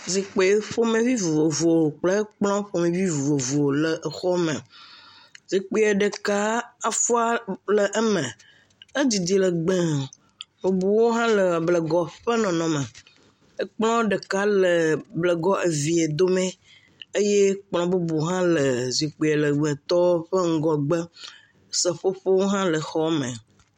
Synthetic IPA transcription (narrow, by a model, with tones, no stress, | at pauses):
zi˨k͡pe˨˦ɸo˦mẽ˨vi˦vu˨o˨vo˨k͡plə˦k͡plɔ̃˦ɸo˦mẽ˨vi˦vu˨vo˨vo˨lə˨ʔə˨xɔ˦mə̃˨ | zi˨k͡pe˦e˨ɖə˨ka˦a˨fu˦a˦lə˨ʔə˦mə̃˨ | ə˦d͡ʑi˨d̪i˨lə˨ɡ͡bɛ̃˦ | wo˨bu˨wo˦ɦã˦lə˨a˨blə˨ɡɔ˨ɸə˦nɔ̃˨nɔ̃˨mə̃˨ | ə˦k͡plɔ̃˦ɖə˨ka˦lə˨blə˨ɡɔ˦ʔe˨vi˨e˨d̪o˦mẽ˦ | e˦je˦k͡plɔ̃˨bu˦bu˨ɦã˦lə˨zi˨k͡pi˨a˨lə˨ɡ͡bɛ̃˨t̪ɔ˦wo˦ɸə˦ŋ̩˦ɡɔ˨ɡ͡bə˦ | sə˨ɸo˦ɸo˦wo˦ɦã˦lə˨xɔ˦mə̰̃˨